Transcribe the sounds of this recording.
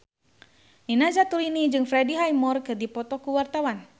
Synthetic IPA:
ninazat̪uɾinid͡ʒɨŋfɾɛdiɦajmɔrkɨrdipɔt̪ɔkuwart̪awan

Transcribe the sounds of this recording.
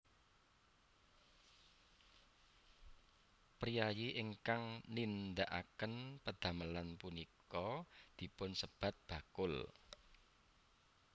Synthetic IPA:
pɾijajiʔɪŋkaŋnind̪aʔa̰kənpəd̪̥ä̤məlanpunikɔd̪̥i̤pʊnsəb̥a̤t̪̚b̥ä̤kʊl

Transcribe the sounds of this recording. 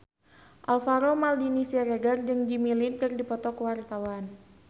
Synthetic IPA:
ʔalfaɾomaldinisiaɾeɡard͡ʒɨŋd͡ʒimilinkɨrdipɔt̪ɔkəwart̪awan

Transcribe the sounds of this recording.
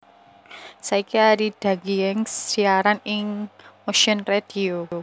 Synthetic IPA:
saikiaɾid̪̥a̤ɡiɛŋsiaɾanɪŋmoʃənred̥i̤o

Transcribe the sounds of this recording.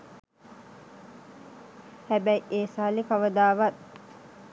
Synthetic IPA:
hɛbæiʔeːsalikɐʋəd̪aːʋɐt̪

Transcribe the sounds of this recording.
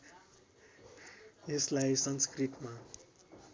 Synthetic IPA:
eslaisʌnskriʈma

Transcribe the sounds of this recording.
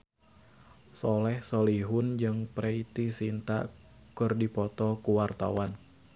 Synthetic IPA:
sɔlɛhsoliɦʊnd͡ʒɨŋpɾeit̪isint̪a̰ʔ | kɨrdipɔt̪ɔkuwart̪a̰wan

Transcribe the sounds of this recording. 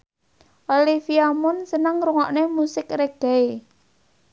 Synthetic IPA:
ʔolifiamʊnsənəŋɾuŋɔʔnemusɪkrɛk̚d̥a̤e

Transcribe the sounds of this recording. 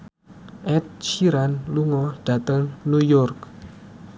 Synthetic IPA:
ʔɛt̪̚t͡ʃiɾanluŋɔɖ̥ä̤t̪əŋnujɔrk̚

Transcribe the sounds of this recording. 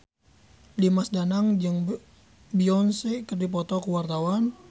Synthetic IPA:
limasdanaŋd͡ʒɨŋ | biɔnsekərdip̬ɔt̪ɔkuwart̪awan

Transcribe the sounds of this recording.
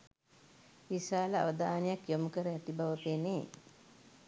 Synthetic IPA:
ʋisaːləa̰ʋəd̪aːnəjakjoməkəɾəæt̪ibaʋəpeneː

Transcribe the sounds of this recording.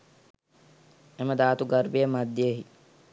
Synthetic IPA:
eməd̪aːt̪uɡɐɾbeemɐd̪ːjeɦi

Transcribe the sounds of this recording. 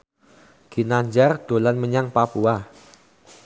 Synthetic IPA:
ɡ̥i̤naɲd͡ʒard̪̥o̤lanməɲaŋpapua

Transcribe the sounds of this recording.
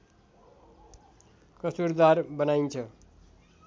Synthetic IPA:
kʌsuɾd̪arbʌnajnt͡sʰʌ

